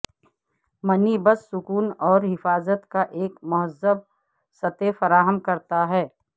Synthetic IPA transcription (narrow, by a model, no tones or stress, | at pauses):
mɐnibəsːʊkuːnɔːɾɦɪfaːzət̪kaʔeːkmʊɦəzəb̚ | sɐt̪efɐɾaːɦəmkɐɾt̪aɦɛː